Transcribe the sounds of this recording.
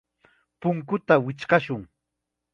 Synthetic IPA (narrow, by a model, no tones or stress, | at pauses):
pʊŋkʊt̪awɪt͡ʃɢɑʃʊŋ